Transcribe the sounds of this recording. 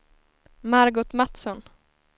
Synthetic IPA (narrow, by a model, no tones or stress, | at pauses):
maɾɡʊt̪mat̪sɔn